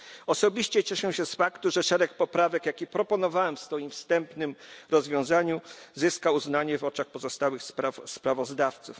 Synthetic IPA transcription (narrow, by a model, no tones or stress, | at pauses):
ɔsɔbʲiɕt͡ɕɛt͡ɕɛʂɛ̃w̃ɕɛsfakt̪uʐɛʂɛɾɛk̚pɔpɾavɛkjakʲipɾɔpɔnɔvawɛmfsfɔjimfst̪ɛmpnɘmɾɔzvʲjɔ̃w̃zaɲuzɘskauznaɲɛvɔt͡ʂaxpɔzɔst̪awɘxsaspɾavɔzd̪aft̪suf